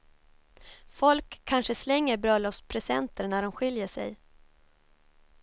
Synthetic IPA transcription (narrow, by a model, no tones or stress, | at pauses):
fɔlkʰːanʂəslɛŋːəɾbɾœlːɔfspʰɾɛsɛnt̪əɳæɖɔmɧɪljəʂɛ̰j